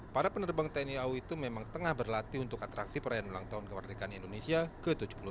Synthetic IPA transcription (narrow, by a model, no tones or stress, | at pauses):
paɾapənərbaŋt̪ɛniauit̪umemaŋt̪əŋahbərlat̪iunt̪ʊkat̪ɾaksipəɾajanolaŋt̪aʊnkəmərdikanindonesiakət̪ud͡ʒu̥pulu